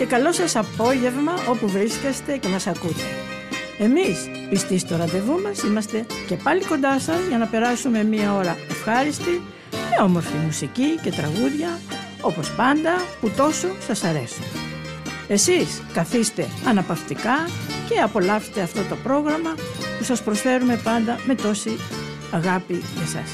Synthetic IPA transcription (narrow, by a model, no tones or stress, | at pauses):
ce̞kɐlo̞sɐsɐpo̞ʝe̞vmɐʔo̞puvɾiskest̪e̞ce̞mɐsɐkut̪e̞ | e̞mis | pist̪ist̪oɾɐd̪e̞vumɐsimɐst̪e̞ce̞pɐliko̞nd̪ɐsɐzʝɐnɐpe̞ɾɐsume̞miɐo̞ɾɐe̞fxɐɾist̪i | meo̞mo̞ɾfimusicice̞t̪ɾɐɣuðʝɐ | o̞po̞spɐnd̪ɐput̪o̞so̞sɐsɐɾe̞̰sun | e̞siskɐθist̪e̞ɐnɐpɐft̪ikɐce̞ɐpo̞lɐpse̥t̪eɐft̪o̞t̪o̞pɾo̞ɣɾɐmɐpusɐspɾo̞sfe̞ɾume̞pɐnd̪ɐme̞t̪o̞si | ɐɣɐpimesɐ̰s